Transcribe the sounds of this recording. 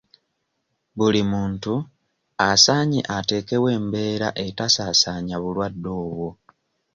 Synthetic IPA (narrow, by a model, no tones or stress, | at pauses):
βulimuːntu | asaːɲḭʔate̞ːke̞βwe̞ːmbe̞ːɾa̰ʔe̞tasasaːɲaβulwadːo̞ːβwo